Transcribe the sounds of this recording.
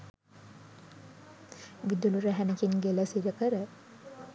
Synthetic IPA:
ʋid̪uluɾəɦænekinɡeləsiɾəkəɾə

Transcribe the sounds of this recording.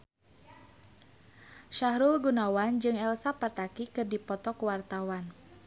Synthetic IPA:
ʃaɦɾulɡunawand͡ʒɨŋɛlsapat̪akikɨrdipɔt̪ɔkuwart̪awan

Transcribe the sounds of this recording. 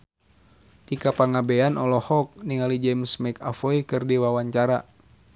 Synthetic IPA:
t̪ikapaŋabɛanʔɔlɔhɔk̚niŋalid͡ʒɛmsmɛkafɔikɨrdiwawaɲt͡ʃaɾa

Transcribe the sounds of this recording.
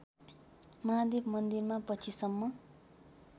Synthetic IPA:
mʌɦad̪ebmʌnd̪irmapʌt͡sʰisʌmːʌ

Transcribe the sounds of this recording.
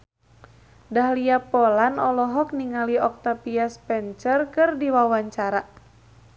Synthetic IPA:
daɦliapɔlanɔlɔɦɔk̚niŋaliɔk̚t̪apiaspɛɲt͡ʃərkɨrdiwawaɲt͡ʃaɾa

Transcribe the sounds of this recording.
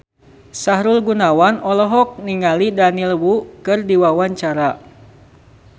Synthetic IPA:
saɦɾulɡunawanɔlɔɦɔk̚niŋalidanilwukɨrdiwawaɲt͡ʃaɾa

